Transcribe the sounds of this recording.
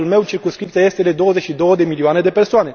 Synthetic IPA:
ulme̞wt͡ʃirkumskɾip̪̚sijaje̞st̪ed̪e̞d̪o̞wəzet͡ʃʲʃid̪o̞wəd̪e̞milioane̞d̪e̞persoane̞

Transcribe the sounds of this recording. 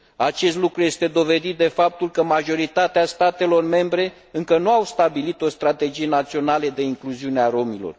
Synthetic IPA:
at͡ʃe̞st̪lukɾuje̞st̪e̞d̪o̞ve̞d̪it̪̚d̪e̞fap̚t̪ulkəmaʒo̞ɾit̪at̪east̪at̪e̞lo̞rme̞mbɾe̞ | ɨŋkənuawst̪abilit̪o̞st̪ɾat̪e̞d͡ʒije̞nat̪sio̞naled̪e̞iŋkluziuneaɾo̞milo̞̰r

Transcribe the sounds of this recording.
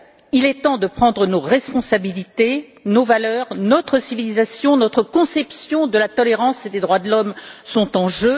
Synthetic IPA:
ilɛt̪ɑ̃d̪əpχɑ̃d̪ʁənoʁɛspɔ̃sabilit̪e | novalœʁnɔt̪χəsivilizasjɔ̃nɔt̪χəkɔ̃sɛpsjɔ̃d̪əlat̪ɔleʁɑ̃sed̪ed̪ʁwad̪əlɔmsɔ̃t̪ɑ̃ʒø

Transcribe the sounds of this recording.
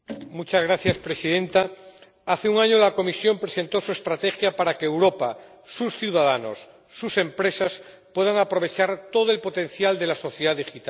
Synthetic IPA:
mut͡ʃazɣɾaθjaspɾe̞siðẽ̞nt̪a | aθeuŋaɲolako̞misjo̞mpɾese̞nt̪o̞sue̞st̪ɾat̪exjapaɾakeːwɾo̞pa | susθjuwðaðano̞̰sː | use̞mpɾe̞sas | pwe̞ð̞aŋapɾo̞β̞e̞t͡ʃaɾt̪o̞ð̞oe̞lpo̞t̪e̞n̟θjald̪e̞laso̞θjeðaðixit̪a

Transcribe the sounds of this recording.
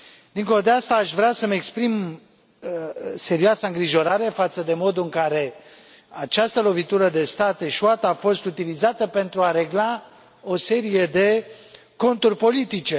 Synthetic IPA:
d̪iŋko̞lod̪east̪aːʃvɾeasəmekspɾim | se̞ɾiasaɨŋɡɾiʒo̞ɾaɾe̞fat̪səd̪e̞mo̞d̪uɨŋkaɾe̞ | at͡ʃast̪əlo̞vit̪uɾəd̪e̞st̪at̪eʃuat̪əːfo̞st̪ut̪ilizat̪əpe̞n̪t̪ɾuaɾe̞ɡla | o̞se̞ɾije̞d̪e̞ | ko̞nt̪urʲpo̞lit̪it͡ʃe̞

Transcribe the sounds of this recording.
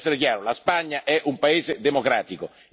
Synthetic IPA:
sːeɾekjaːɾolaspaɲːaʔɛʔumpaeːzed̪emokɾaːt̪iko

